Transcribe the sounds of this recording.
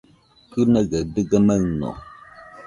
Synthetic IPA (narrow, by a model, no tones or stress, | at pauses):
kʉnəɣədɨɡəməŋnɔ̰